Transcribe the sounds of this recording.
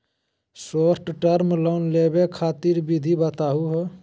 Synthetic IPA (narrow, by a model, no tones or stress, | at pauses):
soːɾʈʈəɾmloʊnlebekʰaːt̪iɾbid̪ʱibət̪aːɦuɦ